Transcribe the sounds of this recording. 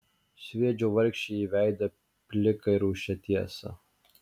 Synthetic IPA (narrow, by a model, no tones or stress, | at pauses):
sʲʋʲiɛd͡ʒʲuːʋɐɾʲkʃʲt͡ʃʲɛiʋʲæˑɪd̪ʲɐ | pʲlʲɪkɐɪɾuːʃʲɛt̪ʲiɛsɐ̰